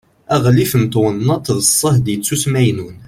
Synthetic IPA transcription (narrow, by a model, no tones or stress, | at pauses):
æʁlifənt̪wənːɑt̪ˤðəsˤːəhd̪jət͡sːusmæjnun